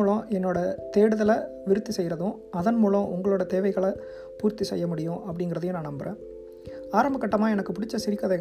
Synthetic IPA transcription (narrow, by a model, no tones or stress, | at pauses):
uːɭɐ̃ɛnːoːɽɐt̪eːɽɯðɐlɐ | ʋɪɾɯt̪ːisɛjɪɾɐðʊ̃ | ɐðɐnmuːɭɐ̃ʔʊŋɡɐɭoːɽɐt̪eːʋɐɪɣɐɭɐ | puːɾt̪isɛ̰jːɐmʊɽɪjʊ̃ʔɐpːɐɽɪŋɡɪɾɐðɯjʊ̃naːnɐmbɐɾḛ̃ː | aːɾɐmbɐkːɐʈːɐmaːɛnɐkːɯpʊɽɪt͡ʃːɐsɪɾɪkːɐðɐɪ